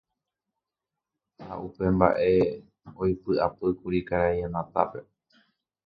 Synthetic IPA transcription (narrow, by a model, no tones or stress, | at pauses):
ha̰ʔupe̞mba̰ʔe̞ | ojpɨapɨkuɾikaɾajãnãt̪a̰pe̞